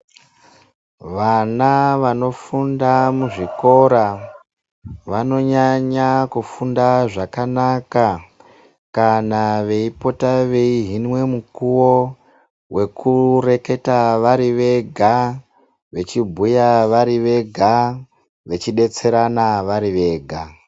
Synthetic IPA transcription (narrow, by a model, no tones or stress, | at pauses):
ʋanaʋano̞fundamuʐiko̞ɾa | ʋano̞ɲaɲakufundaʐakanaka | kanaʋe̞ipo̞taʋe̞iɦinwe̞mukuwo | we̞kure̞ke̞taʋaɾiʋe̞ɡʱa | ʋe̞t͡ʃibʱujaʋaɾiʋe̞ɡʱa | ʋe̞t͡ʃiɗe̞t͡se̞ɾanaʋaɾiʋe̞ːɡʱa